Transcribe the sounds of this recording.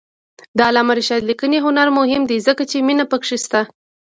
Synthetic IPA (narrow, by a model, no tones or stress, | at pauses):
d̪əːlɑmaɾiʃɑd̪likəneɦʊnaɾmʊhɪmd̪ezəkat͡ʃeminapəkʂist̪a